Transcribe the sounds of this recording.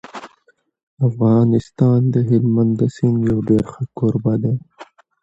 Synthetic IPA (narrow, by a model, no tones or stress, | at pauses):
afɣɑːnɪst̪ɑːnd̪əɦɪlmand̪asinjawɖeɾxakoɾbad̪e